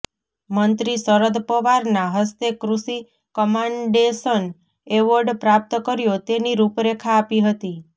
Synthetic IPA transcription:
mənt̪ɾisəɾəd̪pəʋaɾnaɦəst̪ekɾusi | kəmãɳɖesən | eʋəɾɖpɾap̚t̪əkəɾjot̪eniɾupɾekʰaːpiɦət̪i

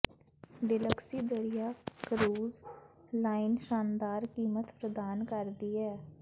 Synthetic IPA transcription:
ɖɪləksiːd̪əɾijaːkəɾuːzlaːɪnʃaːnd̪aːɾkiːmət̪pɾəd̪aːnkəɾd̪iːɛː

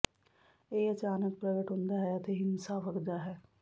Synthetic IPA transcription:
eːət͡ʃaːnək̚pɾɐɡəʈɦond̪aɦɛjat̪eɦɪnsaʋəɾd̪aɦɛː

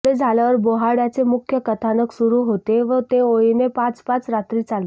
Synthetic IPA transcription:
ed͡zʱaljaʋəɾboɦaɽjat͡semukʰjəkət̪ʰanəksuɾuːɦot̪eʋət̪eojinepãt͡spãt͡sɾat̪ɾiːt͡sal

